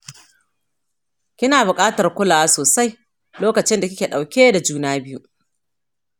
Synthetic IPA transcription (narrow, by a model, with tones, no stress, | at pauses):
kʲɪ˦naː˨bʊ˨kʼaː˦tɐ˨rkʷʊ˦laː˨wa˦soː˨sa˦j | loː˦kɐ˨t͡ʃɪ˦nda˨kʲɪ˦kʲeː˨ɗa˨wkʲeː˦da˨d͡ʒuː˦naː˦bɪ˦ju˦ʔ